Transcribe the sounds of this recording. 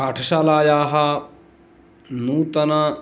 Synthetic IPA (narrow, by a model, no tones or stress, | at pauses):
aːʈʰɐʃaːlaːjaːɦɐ | nuːt̪ɐnɐ